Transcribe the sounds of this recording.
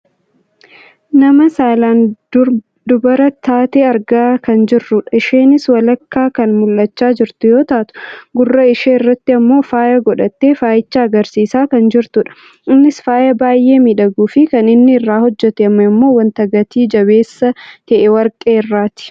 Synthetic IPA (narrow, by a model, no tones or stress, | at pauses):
nɐmɐsaːlaːn | d̪ʊbɐɾɐt̪aːt̪eːɐɾɡaːkɐnd͡ʒɪrːʊᶑɐɪʃeːnɪswɐlɐkːaːkɐnmʊlːɐt͡ʃːaːd͡ʒɪɾt̪ʊjo̞ːt̪aʔt̪ʊ̥ɡʊrːɐɪʃeːɪrːɐt̪ːɪɐmːo̞ːfaːjɐɡɔᶑɐt̪ːeːfaːjɪt͡ʃːaːɡɐɾsiːsaːkɐnd͡ʒɪɾt̪ʊᶑɐ̥ | ɪnːɪsfaːjɐbaːjʔe̞ːmiᶑɐɡuːfɪkɐnɪnːɪːrːaːhɔd͡ʒːɛt̪ɛɐmːɐɪmːo̞ːwɐnt̪ɐɡɐt̪iːd͡ʒɐbe̞ːsːɐt̪ɐʔɛwɐɾkʼeːɪrːaːt̪ɪ̥